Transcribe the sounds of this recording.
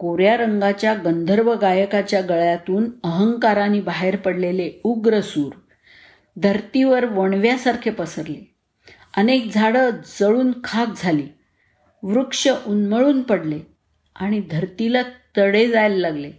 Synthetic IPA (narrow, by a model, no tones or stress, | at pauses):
koɾjaɾəŋɡat͡ɕjaɡənd̪ʱəɾʋəɡajəkat͡ɕjaɡəɭjat̪uːnəɦəŋkaɾanibaɦeɾpəɽleleuɡɾəsuːɾ | d̪ʱəɾt̪iʋəɾʋəɳ̃ʋjasaɾkʰepəsəɾle | ənek̚d͡zʱaɽəd͡zəɭuːnkʰak̚d͡zʱaliː | ʋɾukʂəʔunməɭuːnpəɽle | aɽ̃id̪ʱəɾt̪ilat̪əɽed͡zajlːaɡle